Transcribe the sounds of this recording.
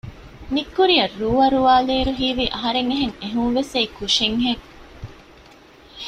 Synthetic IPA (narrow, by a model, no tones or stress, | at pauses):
mikːuɾijɐrːuːɐɾuʋaːleːɾuɦiːʋiʔɐɦɐɾeŋeɦeŋeɦuŋʋeseikuʂeŋɦeŋ